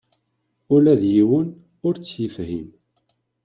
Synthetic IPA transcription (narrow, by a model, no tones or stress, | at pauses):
ʊlæðjiwən | ʊɾt͡sːjifhim